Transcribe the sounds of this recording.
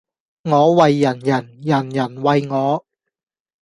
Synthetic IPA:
ŋɔː˨˧˥wɐ˨jːɐ˨˩njɐ˨˩njɐ˨˩njɐ˨˩nwɐ˨jŋɔː˨˧˥

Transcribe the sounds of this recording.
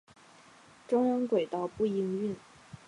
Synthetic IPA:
ʈ͡ʂʊ˥ŋə˧˥nkwe˨˩ɪt̪ɑ˥˧ʊpu˥˩i˧˥ŋy˥˩n

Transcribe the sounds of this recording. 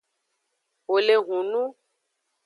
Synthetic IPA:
wo˨le˨ɦũ˨nũ˦

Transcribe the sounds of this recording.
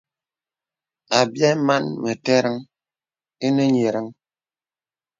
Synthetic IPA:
a˨bja˦ma˦nmə˨tɛ˦ɾə˦ŋ | e˦nə˦ɲe˨ɾə˦ŋ

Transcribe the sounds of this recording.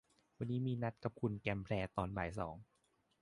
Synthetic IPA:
wa˧nːiː˦˥miː˧na˦˥t̪̚ka˨˧˩p̚kʰu˧nkɛ˧mpʰlɛː˧t̪ɔː˧nbaː˩jsɔ̰ː˩˦ŋ

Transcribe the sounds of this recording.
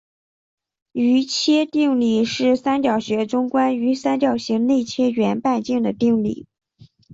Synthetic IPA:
y˧˥t͡ɕʰjɛ˥t̪i˥˧ŋli˥˩ʂɻ̩˥˩sa˥nt͡ɕjɑ˨˩ʊɕɥɛ˧˥ʈ͡ʂʊ˥ŋkwa˥ny˧˥sa˥nt͡ɕjɑ˨˩ʊɕi˧˥ŋne˥˩ɪt͡ɕʰjɛ˥ɥɛ˧˥npa˥˧nt͡ɕi˥˩ŋd̪ə˩t̪i˥˧ŋlḭ˥˩

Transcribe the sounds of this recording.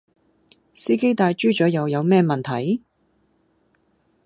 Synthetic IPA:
siː˥ke˥jt̪aː˧jt͡ʃyː˥t͡ʃɔː˨˥jɐ˨˧wjɐ˨˧wmɛː˥mɐ˨nt̪ʰɐ̰˨˩˥j

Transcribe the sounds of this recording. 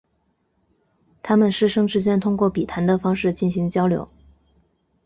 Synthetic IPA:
t̪ʰa˥mə˨nʂɻ̩˥˩ʂɤ˥ŋʈ͡ʂɻ̩˥t͡ɕjɛ˥nt̪ʰʊ˥ŋkwɔ˥˩pi˨˩t̪ʰa˧˥nd̪ə˧fɑ˥ŋʂɻ̩˥˩t͡ɕi˥˩nɕi˧˥ŋt͡ɕjɑ˥ʊljo̰˧˥ʊ

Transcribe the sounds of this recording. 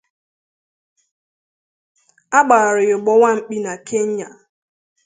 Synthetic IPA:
a˦ɡ͡ba˨ɾɪ˨jʊ˨ɡ͡bɔ˦wa˦ŋ͡m̩˨k͡pi˦na˨kʰe˦ɲ̩˦ɲa̰˨

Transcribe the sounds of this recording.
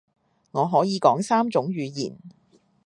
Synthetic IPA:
ŋɔː˨˧ɦɔː˨˥jiː˨˧kɔː˨˥ŋsaː˥mt͡sʊ˨˥ŋɥyː˨˧jḭː˨˩n

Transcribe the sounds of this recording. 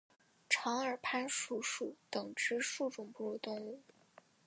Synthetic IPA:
ʈ͡ʂʰɑ˧˥ŋə˞˨˩pʰa˥nʂu˨˩ʂu˨˩˦t̪ɤ˨˩ŋʈ͡ʂɻ̩˧˥ʂu˥˩ʈ͡ʂʊ˨˩ŋpu˥˧d̪ə˧˩t̪ʊ˥˧ŋu˥˩

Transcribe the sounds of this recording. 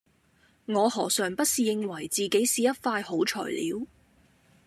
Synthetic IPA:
ŋɔː˨˧hɔː˨˩sœː˨˩ŋpɐ˥t̚siː˨jɪ˧ŋwɐ˨˩jt͡siː˨ke˨˥jsiː˨jɐ˥t̚faː˧jho˨˥wt͡ʃʰœ̰ː˨˩jlḭː˨˧˥w

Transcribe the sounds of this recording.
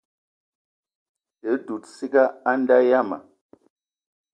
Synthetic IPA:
də˨˦du˨tsi˦ka˦a˦n˦da˦ja˦ma̰˨

